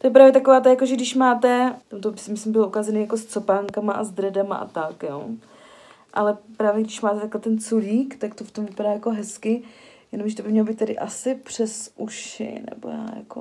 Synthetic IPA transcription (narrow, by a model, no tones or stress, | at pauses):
t̪ojɛpɾaːvjɛt̪akovaːt̪ajakoʒɛɡdɪʃmaːt̪ɛt̪amt̪obɪsɪmɪslɪmbɪloukazɛneːjakost͡sopaːŋkamaʔazd̪ɾɛdama̰ʔa̰t̪akjoː | ʔalɛpɾaːvjɛɡdɪʃmaːt̪ɛt̪aklɛt̪ɛnt͡suliːkt̪akt̪oft̪omvɪpadaːjako̞ɦɛskɪjɛnomʒɛt̪obɪmɲɛlobit̪ːadɪʔasɪpr̝̥ɛsʔuʃɪ̰nɛ̰bo̰ja̰ːja̰ko̰